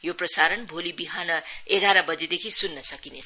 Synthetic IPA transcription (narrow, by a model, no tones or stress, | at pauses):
joprʌsaɾʌnbʱolibiɦanʌeɡaɾʌbʌd͡zed̪ekʰisunːʌsʌkine